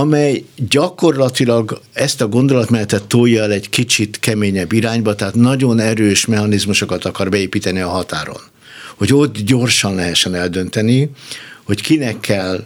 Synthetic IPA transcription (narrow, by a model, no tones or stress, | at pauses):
ɒmɛjɟɒko̞rlɒt̪ilɒɡɛst̪ɒɡo̞nd̪o̞lɒt̪mɛlɛt̪ɛt̪ːojːɒɛlɛɟkit͡ʃit̪kɛmeːɲɛbːiɾaːɲbɒt̪ɛɦaːt̪nɒɟo̞nɛɾøːʃmɛɦɒnizmuʃo̞kɒt̪ɒkɒrbɛeːpiːt̪ɛniɒɦɒt̪aːɾo̰n | ho̞ɟo̞t̪ːɟo̞rʃɒnlɛɦɛʃːɛnɛld̪ø̞nt̪ɛniho̞ckinɛkʰːɛl